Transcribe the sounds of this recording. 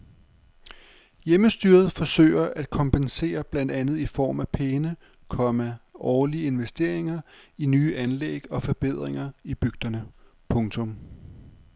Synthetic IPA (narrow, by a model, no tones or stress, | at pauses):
jeməsd̥yːɐð̞̩ˠfɒ̽sø̰ːɪɐʔæd̥kʰɒ̽mpense̝̰ːɐb̥læn̰d̥ænð̞̩ˠifɒ̰ːmæpʰenə | kʰɒ̽mæʔɒːliəe̝nʋesd̥e̝ɐ̰e̝ŋɐinyːʔænlḛɡ̥ɒ̽fɒ̽b̥e̝ð̰ˠʁeŋɐib̥yɡ̥̚d̥ɐnə | pʰɔ̽ŋt͡sʰɔ̽m